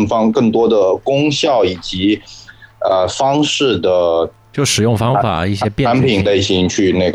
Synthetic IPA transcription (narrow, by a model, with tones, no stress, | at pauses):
ŋfɑ˥ŋkɤ˥˩ŋt̪̬wɔ˥d̪ə˨˩kʊ˥ŋɕjɑ˥˩ʊi˨˩t͡ɕi˧˥ | ə˧˩fɑ˥ŋʂɻ̩˥˩d̪ə˩ | t͡ɕjo˥˩ʊʂɻ̩˨˩jʊ˥˩ŋfɑ˥ŋfa̰˨˩˦i˥˩ɕjjɛ˥pja˧˥npʰi˨˩ŋt̪a˧˩ɪɕi˧˥ŋt͡ɕʰy˥˧ne˥˩ɡ